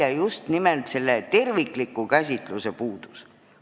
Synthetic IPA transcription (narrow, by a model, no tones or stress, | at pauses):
ɑjust̪nimelt̪se̞lːet̪e̞rvikˑlikːukæs̬ʲit̪ˑluse̞puːd̪̥u̥s